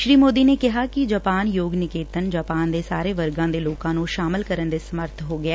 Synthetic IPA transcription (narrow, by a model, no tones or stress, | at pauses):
ʃɾiːmoːd̪iːneːkɪɦaːkɪd͡ʒaːpaːnjoːɡnɪkeːt̪ənd͡ʒaːpaːnd̪eːsaːɾeːʋəɾɡãːd̪eːloːkãːnũːʃaːmɪlkəɾənd̪eːsəməɾt̪ʰɦoːɡɪɛː